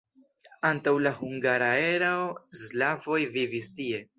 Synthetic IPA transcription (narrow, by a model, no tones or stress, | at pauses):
antawlahuŋɡaɾae̞ɾaoslavo̞jvivistie̞